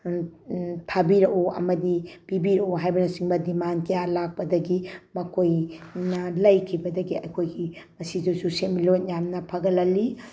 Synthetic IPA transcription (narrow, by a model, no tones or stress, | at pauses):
tʰabiɾɐʔoɐ̰mɐdib̥ibiɾɐʔoɦajbɐnɐsiŋbɐdimankɐjalak̚pɐdɐɡimɐkʰojnɐlɐjkʰibɐdɐɡiɐkʰojɡimɐsidɐwsusemilot̚jamnɐpʰɐɡɐlɐlːi